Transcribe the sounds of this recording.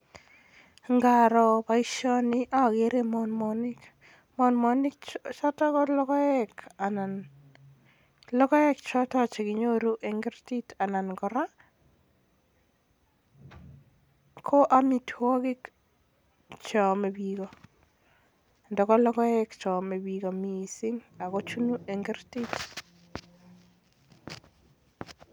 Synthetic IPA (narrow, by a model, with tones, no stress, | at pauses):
ŋɡa˨ɾɔ˨pa˦i˦ʃɔ˦nɪ˦ʔa˦˨ɡe˦ɾe˦mɔ˨nmɔ˨nɪ˦k | mɔ˨nmɔ˦nɪ˦kt͡ʃɔ˦tɔ˦kɔ˦lɔ˦kɔ˦ɛ˦ka˨na˨n | lɔ˦kɔ˦ɛ˦kt͡ʃɔ˦tɔ˦t͡ʃe˨ki˨ɲo˦ɾu˦ʔe˨ŋɡi˦ɾti˦ta˨na˨nɡɔ˨ɾa˦ | kʰo˦ʔa˨mitʰwo˦ɡɪ˦k | t͡ʃɔ˨me˨biɡɔ˨ | ndɔ˨kɔ˦lɔ˦kɔ˦ɛ˦kt͡ʃɔ˨me˨biɡɔ˨mi˨sɪ˦ŋa˨kɔ˦t͡ʃu˦nu˦e˨ŋɡi˦ɾtit